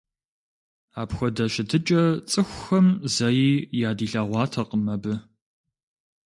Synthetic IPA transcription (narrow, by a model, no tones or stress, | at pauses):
aːpxʷɔdɐɕɪtʰɨt͡ʃʼɐt͡sʼɨxʷxɐmzɐjiːjaːdiːɬɐːʁʷɑːtʰɐqəmɐbɨ